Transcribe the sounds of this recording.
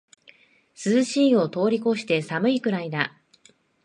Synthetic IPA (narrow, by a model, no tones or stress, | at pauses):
sɨzɨɕiːo̞t̪o̞ːɾʲiko̞ɕi̥t̪e̞samɯ̟ikɯ̟ɾaid̪a